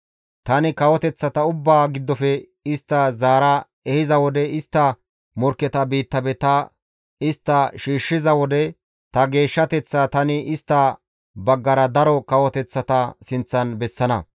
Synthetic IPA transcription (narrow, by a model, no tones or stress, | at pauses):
t̪ɐnɪkɐwɔt̪ɛt͡sːɐt̪ɐʊbːaːɡɪd̪ːɔfɛ | ɪst̪ːɐzaːɾɐ | ɛhɪzɐwɔd̪ɛɪst̪ːɐ | mɔɾkːɛt̪ɐbiːt̪ːɐbɛt̪ɐ | ɪst̪ːɐʃiːʃːɪzɐwɔd̪ɛ | t̪ɐɡe̞ːʃːɐt̪ɛt͡sːɐt̪ɐnɪʔɪst̪ːɐ | bɐɡːɐɾɐd̪ɐɾɔkɐwɔt̪ɛt͡sːɐt̪ɐsɪnt͡sːɐnbɛsːɐnɐ